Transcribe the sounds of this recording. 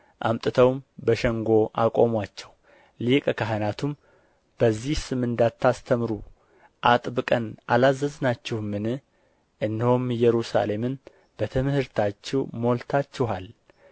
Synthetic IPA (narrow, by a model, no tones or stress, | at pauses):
ʔa̰mt̪ʼɨt̪ʰəwmbəʃɛŋɡo̞ʔa̰kʼo̞mwat͡ʃːɛw | likʼkʰaɦənat̪ʰum | b̥əzːihsɨmɨnd̪at̪ʰːast̪ʰəmɨɾu | ʔat̪ʼbɨkʼənʔalazːəznat͡ʃːɪhmɨnɨ | ʔɨndəhomjɛɾusa̰le̞mɨn | b̥ət̪ʰɨmɨhɨɾt̪ʰat͡ʃːɪwmo̞lt̪ʰat͡ʃːɪɦal